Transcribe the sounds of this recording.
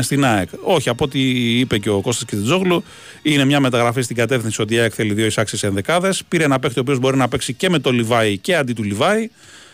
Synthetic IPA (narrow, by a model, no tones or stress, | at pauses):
st̪inɐeko̞çiɐpot̪iipe̞ce̞oko̞st̪ɐscest̪id͡zoɣlu | ine̞mɲɐme̞t̪ɐɣɾɐfist̪iɡɐt̪e̞fθinsio̞t̪̬iɐekθe̞liðjioisɐksisenðe̞kɐðe̞spiɾeenɐpe̞k̚t̪iopio̞zbo̞ɾinɐpe̞ksice̞me̞t̪o̞livɐice̞ɐnd̪it̪ulivɐi